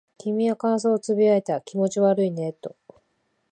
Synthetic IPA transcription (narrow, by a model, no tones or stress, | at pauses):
kʲimʲiakãɰ̃s̬oːt͡sɨbʲiaet̪akʲimo̞t͡ɕiβaɾɯ̟ine̞t̪ːo̞